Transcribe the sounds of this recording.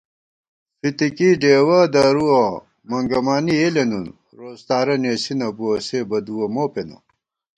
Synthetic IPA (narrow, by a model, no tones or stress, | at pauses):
fit̪ikiɖeːwɐd̪ɐɾuɐ | mɐŋɡɐmaːnielenun | ɾoːst̪aːɾɐneːsinɐbuɐseːbɐd̪uwɐmoːpenɐ̰